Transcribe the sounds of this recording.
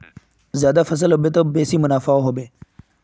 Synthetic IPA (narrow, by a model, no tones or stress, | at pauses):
zjaːd̪afɐs̬əlɦoːbeːt̪oːbeːsiːmʊnaːfaoɦoːbeː